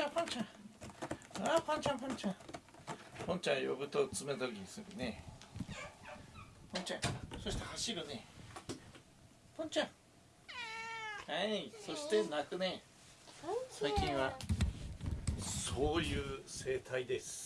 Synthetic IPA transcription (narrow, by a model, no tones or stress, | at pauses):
ãpõɲt͡ɕã | apõɲt͡ɕãpõɲt͡ɕãŋ | põɲt͡ɕãjo̰bɯ̟t̪ot͡sɨmet̪okʲiɲ̟isɨɾɯ̟ne | pʰõɲt͡ɕã̰ŋso̞ɕit̪ehaɕiɾɯ̟ne̞ | pʰõɲt͡ɕãŋ | haiso̞ɕi̥t̪e̞nakɯ̟ne | saikʲĩɰ̃βa | soːjɯːse̞ːt̪ʰaid̪e̞sɨ̥